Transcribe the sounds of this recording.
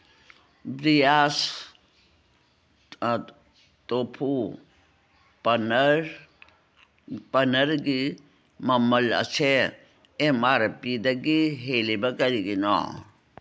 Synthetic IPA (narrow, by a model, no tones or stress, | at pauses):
bɾijaːs | t̪opʰu | pɐnəɾ | pɐnɐɾɡi | mɐmɐlɐ̰t͡ʃʰe | emaːɾɐpiːd̪ɐɡiɦelibɐkɐɾiɡinɔ̰ː